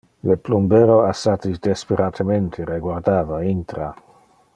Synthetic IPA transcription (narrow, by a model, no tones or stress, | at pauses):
leplumbeːɾoasat̪id̪espeɾat̪ʰəmẽnt̪ʰeɾeɡward̪aːvaint̪ɾa